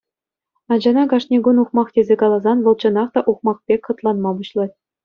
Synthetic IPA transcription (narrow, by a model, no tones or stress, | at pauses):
ɑnd͡ʑɑnɑɡɑʂnʲeɡunuχmɑχtʲezʲekɑlˠɑzɑnʋɤ̆lˠt͡ɕɤ̆nɑχt̪ɑʔuχmɑχpʲekʲχɤ̆t̪lˠɑnmɑbuɕlˠɑt̚ʲ